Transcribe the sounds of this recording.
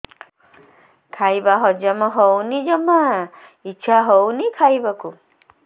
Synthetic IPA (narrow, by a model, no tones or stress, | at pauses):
kʰajbaɦɔd͡ʒamɔɦɔwnid͡ʒɔma | iːt͡ʃʰaɦownikʰajbaku